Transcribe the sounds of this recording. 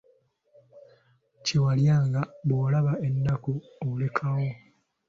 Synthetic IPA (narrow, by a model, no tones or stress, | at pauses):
cewaljaːŋɡaβoːlaβae̞nːaku | ole̞kʰawo